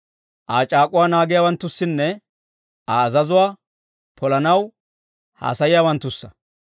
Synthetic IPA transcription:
ʔaːt͡ʃʼaːkʼʊwaːnaːɡɪjaːwɐnt̪ːʊsːɪnːɛ | ʔaːzɐzʊwaː | pʰɔlɐnɐw | ha̰ːsɐjɪjaːwɐnt̪ːʊsːɐ̥

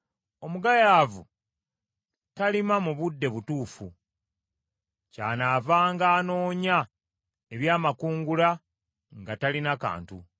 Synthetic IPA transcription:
o̞muɡajaːvṵ | talimamuβudːe̞βutuːfṵ | ca̰ːnaːvaːŋɡaːno̞ːɲa | eβjaːmakuːŋɡula | ŋɡatalinaka̰ːntu

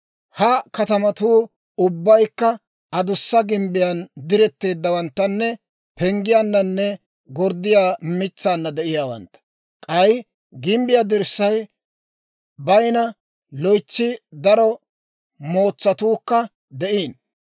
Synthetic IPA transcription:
hɐkɐt̪ɐmɐt̪uː | ʊbːɐjkːɐ | ɐd̪ʊsːɐɡɪmbɪjɐnd̪ɪɾɛt̪ːe̞ːd̪ːɐwɐnt̪ːɐnːɛ | pɛŋɡɪjanːɐnːɛ | ɡɔɾd̪ːɪjaːmɪt͡sːaːnːɐd̪ɛʔɪjaːwɐ̰nt̪ːɐ̥ | kʼɐj | ɡɪmbɪjad̪ɪɾsːɐj | bɐjnɐ | lɔjt͡sːɪd̪ɐɾɔ | mo̞ːt͡sːɐt̪uːkːɐ | d̪ɛʔiːn

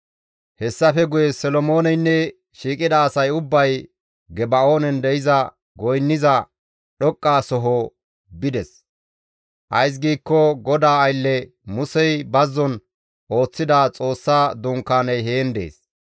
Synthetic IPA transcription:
hɛsːɐfɛɡʊjɛsɛlɔmo̞ːnɛjnːɛ | ʃiːkʼɪd̪ɐːsɐjʊbːɐj | ɡɛbɐo̞ːnɛnd̪ɛɪzɐ | ɡɔjnːɪzɐ | ɗɔkʼːaːsɔɦɔ | bɪd̪ɛs | ʔɐ̰js̬ɡiːkːɔɡɔd̪aːɐjlːɛmʊsɛjbɐzːɔn | ʔo̞ːt͡sːɪd̪at͡sʼo̞ːsːaːd̪ʊŋkːaːnɐjɦeːnd̪e̞̰ːs

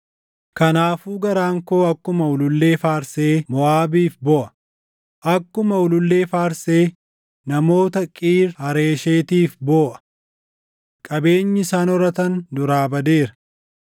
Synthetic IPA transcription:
kɐnaːfuːɡɐɾaːŋko̞ːɐkːʊmɐʊlʊlːe̞ːfaːɾseːmɔʔaːbiːfbɔːʔɐ̥ | ʔɐkːʊmɐʊlʊlːe̞ːfaːɾse̞ː | nɐmo̞ːt̪ɐkʼiːɾhɐɾe̞ːʃeːt̪iːfboːʔɐ̥ | kʼɐbe̞ːɲːɪɪsaːnɔɾɐt̪ɐnd̪ʊɾaːbɐd̪eːɾɐ̥

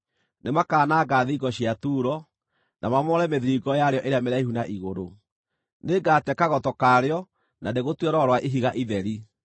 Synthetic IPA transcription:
nemakaːnaːɡaːðiɡɔɕiatuːɾɔ | nʔa̰mamɔɾɛmeðiɾiɡɔjaɾeɔʔeɾeameɾaiɦunaʔiɣoɾo | neɡaːtɛkaɣɔtɔkaːɾeɔ | nandeɣotwɛɾɔɾwaʔiɦiɣaʔiðɛɾi

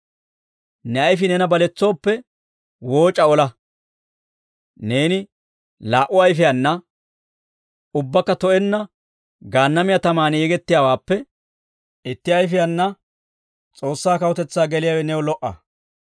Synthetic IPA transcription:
nɛɐjfɪnɛnɐbɐlɛt͡sːo̞ːpːɛ | wo̞ːt͡ʃʼːɐɔlɐ | ne̞ːnɪ | laːʔʊɐjfɪjɐnːɐ | ʊbːɐkːɐt̪ɔʔɛnːɐ | ɡaːnːɐmɪjɐt̪ɐmaːnjɛɡɛt̪ːɪjaːwaːpːɛ | ɪt̪ːɪɐjfɪjɐnːɐ | t͡sʼo̞ːsːaːkɐwɔt̪ɛt͡sːaːɡɛlɪjaːwɛnɛwɔlɔʔːɐ̰

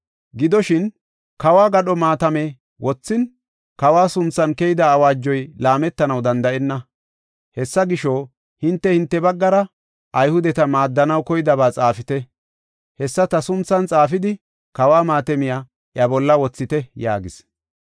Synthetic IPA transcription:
ɡɪd̪ɔʃɪn | kɐwaːɡɐɗɔmaːt̪ɐmɛ | wɔt͡sːɪn | kɐwaːsʊnt͡sːɐnkɛjɪd̪ɐːwaːd͡ʒːɔjlaːmɛt̪ːɐnɐwd̪ɐnd̪ɐɛnːɐ | hɛsːɐɡɪʃoː | hɪnt̪ːɛhɪnt̪ːɛbɐɡːɐɾɐ | ʔɐjhʊd̪ɛt̪ɐmaːd̪ːɐnɐwkɔjɪd̪ɐbaːt͡sʼaːfɪt̪ɛ | hɛsːɐt̪ɐsʊnt͡sːɐnt͡sʼaːfɪd̪ɪ | kɐwaːmaːt̪ɛmɪja | ʔjɐbɔlːɐwɔt͡sːɪt̪ɛja̰ːɡɪs

